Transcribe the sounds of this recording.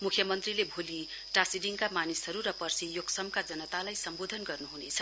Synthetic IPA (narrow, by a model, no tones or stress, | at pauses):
mukʰjʌmʌnt̪rilebʱoli | ʈasiɖiŋkamanisɦʌɾuɾʌpʌrsijoɡsʌmkad͡zʌnʌt̪alajsʌmbod̪ʱʌnɡʌrnuɦunet͡sʰʌ̥